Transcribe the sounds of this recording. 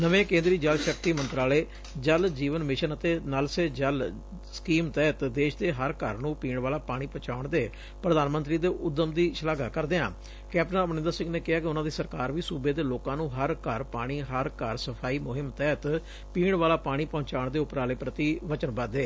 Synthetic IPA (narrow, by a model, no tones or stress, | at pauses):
nəʋẽːkẽːnd̪ɾiːd͡ʒəlʃəkt̪iːmənt̪ɾaːleː | d͡ʒəld͡ʒiːʋənmɪʃənət̪eːnəlseːd͡ʒəl | sə̥kiːmt̪ɛːət̪d̪eːʃd̪eːɦəɾkə̰ɾnũːpiːɳʋaːlaːpaːɽ̃iːpət͡ʃaːʊɳd̪eː | pɾəd̪aːnmənt̪ɾiːd̪eːʔʊd̪ːəmd̪iːʃəlaːɡaːkəɾd̪eːã̰ː | kɛːpnaːəbnɪ̃nd̪əɾsɪ̃ŋɡneːkɪɦaːkɪʊnãːd̪iːsəɾkaːɾʋiːsuːbeːd̪eːloːkãːnũːɦəɾkəɾpaːɽ̃iːɦəɾkəɾsəpʰaːiːmʊɦɪmt̪ɛːt̪ | piːɳʋaːlaːpaːɽ̃iːpɔ̃ːt͡ʃaːʊɳd̪eːʊpɾaːleːpɾət̪iːʋət͡ʃənbəd̪eː